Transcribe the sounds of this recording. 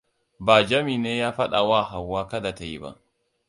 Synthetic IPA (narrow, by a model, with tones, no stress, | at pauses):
baː˨d͡ʒɐ˦miː˨neː˦jaː˦ɸa˦ɗa˨waː˦ɦa˨wːaː˦ka˦da˨ta˨jḭ˦ba̰˦˨ʔ